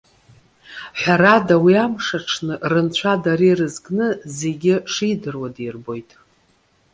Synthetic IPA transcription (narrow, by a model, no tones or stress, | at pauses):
ħʷᶣaɾadawiamʂaʈ͡ʂʰnɨʔrɨnt͡ɕʷʰadaɾirɨzɡnɨze̞ɡʲɪʂidɨrwadirbo̞jtʼ